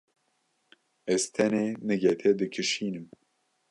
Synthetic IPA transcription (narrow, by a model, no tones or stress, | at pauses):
ɛzt̪ʰɛneːnɨɡɛt̪ʰɛd̪ɨkʰɨʃiːnɨm